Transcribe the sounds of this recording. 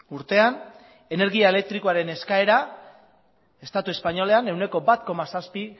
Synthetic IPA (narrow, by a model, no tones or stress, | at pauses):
uɾt̪e̞an | ene̞ɾɣiae̞le̞k̚t̪ɾikoaɾe̞ne̞skae̞ɾa | e̞st̪at̪ue̞spaɲo̞le̞ane̞wne̞ko̞bat̪ko̞masaspi